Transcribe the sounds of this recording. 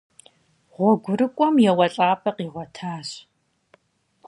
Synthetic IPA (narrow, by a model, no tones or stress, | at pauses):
ʁʷɔɡʷʊɾɨkʷʼɔmjɛwɐɬʼaːpʰʼɐqiːʁʷɔtʰaːɕ